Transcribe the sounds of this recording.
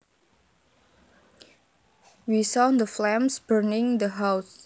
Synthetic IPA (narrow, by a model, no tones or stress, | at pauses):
wisɔd̪əflɛ̃msbəɹnɪ̃ŋd̪əɦaws